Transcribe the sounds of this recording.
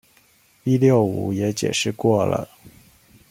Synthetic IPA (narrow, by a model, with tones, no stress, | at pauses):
pi˥ljo˥˩ʊu˧˥jɛ˧˥t͡ɕjɛ̰˨˩ʂɻ̩˥˧kwɔ˥˩lə̰˩